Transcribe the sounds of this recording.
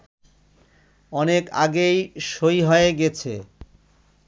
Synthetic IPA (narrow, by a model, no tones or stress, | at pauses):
ɔneka̰ɡejʃojɦɔeeɡɛt͡ɕʰḛ